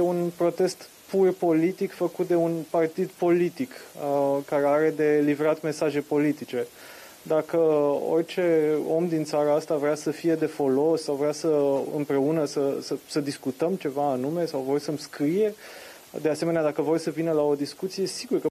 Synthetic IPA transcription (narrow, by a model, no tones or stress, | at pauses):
eunpɾo̞t̪e̞st̪ | purpo̞lit̪ikfəkut̪̚d̪e̞unpart̪id̪po̞lit̪ik | kaɾe̞aɾe̞d̪e̞livɾat̪me̞saʒe̞po̞lit̪it͡ʃe̞ | d̪akəo̞̰rʲt͡ʃe̞o̞md̪int̪saɾəast̪avɾeasəfije̞d̪e̞fo̞lo̞sːawvɾeasəɨ̰mpɾe̞unəsəsəsəd̪iskut̪əmt͡ʃe̞vaːnume̞sawvo̞rʲsəmskɾije̞ | d̪e̞aseme̞nead̪akəvo̞rʲsəvinəlao̞d̪iskut̪sije̞siɡurkə